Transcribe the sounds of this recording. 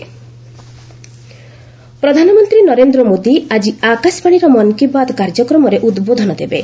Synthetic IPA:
pɾɔd̪ʱanɔmɔnt̪ɾinɔɾend̪ɾɔmod̪iad͡ʒiakasbaɽ̃iɾɔmɔnkibad̪kaɾd͡ʒɔkɾɔmɔɾeʔud̪bod̪ʱɔnɔd̪ebe

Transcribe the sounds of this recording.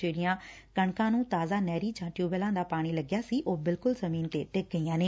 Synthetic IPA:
eːɽɪjãː | kəɳkãːnũːt̪aːzaːnɛːɾiːd͡ʒãːʈjuːbəlãːd̪aːpaːɽ̃iːləɡjaːsiːʔoːbɪlkʊlzəmiːnt̪eːʈɪk̚ɡəiːãːneː

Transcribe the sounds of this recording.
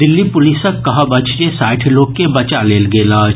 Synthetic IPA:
d̪ɪlːipʊlisəkkːɐɦəbɐt͡ʃʰd͡ʒesaːɪʈʰiloːkːebɐt͡ʃaleːlɡeːlaː

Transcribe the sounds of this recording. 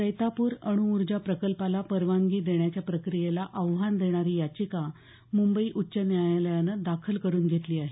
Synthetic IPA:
səjt̪apuːɾə̰ɽ̃uuɾd͡ʑapɾəkəlpalapəɾʋaŋɡiːd̪eɳjat͡ɕjapɾəkɾijelaʔəʋɦand̪eɽ̃aɾiːjat͡ɕika | mumbəiːʔutːɕənjajaləjanəd̪akʰəlkəɾuːnɡʱet̪liːaɦe

